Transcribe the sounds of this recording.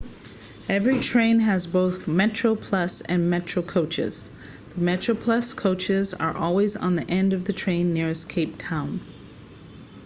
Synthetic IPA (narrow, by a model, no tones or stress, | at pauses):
ɛvɹitʰɹ̥ẽɪ̃nɨzboʊθmɛt͡ʃɹ̥oʊpʰl̥ʌsɨ̃nmɛt͡ʃɹ̥oʊkʰoʊt͡ʃɪ̰z̥ | ðəmɛt͡ʃɹ̥oʊpʰl̥ʌskʰoʊt͡ʃɪzə̰˞ʔɔlˠwizn̩ðiʔɛ̃ndʌvðɨtʰɹ̥ẽɪ̃nːɪɹɨskʰeɪp̚tʰãʊ̃n